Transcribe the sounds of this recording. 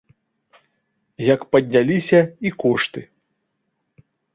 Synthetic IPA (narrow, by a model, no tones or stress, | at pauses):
jɐkpɐd̪ʲnʲalʲisʲɐikɔʂt̪ɨ